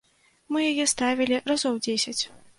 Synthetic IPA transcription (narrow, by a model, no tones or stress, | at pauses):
mɨjajɛst̪avʲilʲirazɔwd͡zʲesʲɐt͡sʲ